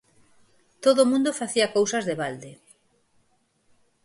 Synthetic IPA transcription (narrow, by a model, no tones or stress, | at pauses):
t̪oðomũnd̪ofaθiɐkowsɐzðeβald̪e